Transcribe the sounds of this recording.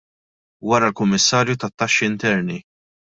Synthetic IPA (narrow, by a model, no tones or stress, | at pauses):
wɐɾɐlkʊmːɪsːɐːɾjut̪ɐt̪ːɐʃːiɪnt̪ɛɾni